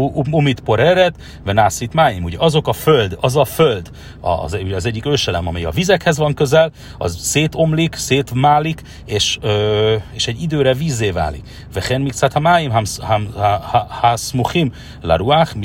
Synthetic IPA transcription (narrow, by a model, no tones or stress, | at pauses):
umit̪po̞ɾɛɾɛt̪ | vɛnaːsit̪maːjimuɟɛʔɒzo̞kɒføld̪ɒzɒføld̪ | ɒ̰zɛuɟɛɒzɛɟːikøːʃɛlɛmɒmɛjɒ̰vizɛkhɛzʋɒŋkøzɛl | ɒ̰zseːt̪o̞mlikseːt̪maːlik | eːʃøeːʃɛɟːid̪øːɾɛviːzːeːva̰ːlḭk | vɛχɛnmikt̪sat̪hamaːjimɦamh | hasmuxim | la̰ɾuax